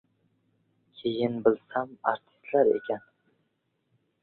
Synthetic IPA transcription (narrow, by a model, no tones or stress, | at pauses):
kʲʰejɪnbɪlsama̰ɾt̪ʰɪ̥st̪laɾḛkʲʰan